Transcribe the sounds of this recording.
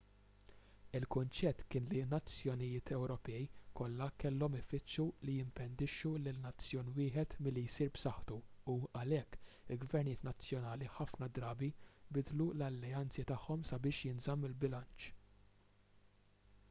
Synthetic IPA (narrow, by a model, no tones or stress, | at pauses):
ɪlkʊnt͡ʃɛt̪ːkɪːnlinɐt͡sːjɔnɪjɪːt̪ʰɛwɾɔpɛjkɔlːɐkɛlːɔmɪfɪt͡ʃːulijɪmpɛnd̪ɪʃːulɪlnɐt͡sːjɔːnwɪːħɛt̪mɪlːijsiːɾbsɐħt̪uuɐlɛkː | ɪlɡvɛɾnɪːt̪nɐt͡sːjɔnɐːliħɐfnɐd̪ɾɐːbibɪd̪lulɐlːɛɐnt͡sit̪ɐħːɔmsɐbɪːʃjɪnzɐmːɪlbɪlɐnt͡ʃ